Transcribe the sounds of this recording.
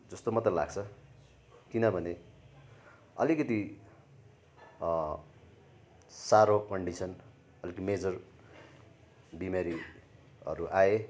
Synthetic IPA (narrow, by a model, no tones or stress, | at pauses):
d͡zʌst̪omʌt̪ʌla̰ɡt͡sʰʌ | kinʌbʱʌne | ʌ̰likʌt̪i | saɾokʌɳɖisʌn | ʌlikʌt̪imed͡zʌr | bimaɾi | ʌ̰ɾuʔae